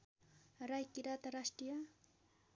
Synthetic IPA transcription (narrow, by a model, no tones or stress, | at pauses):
ɾajkɪɾat̪aɾasʈija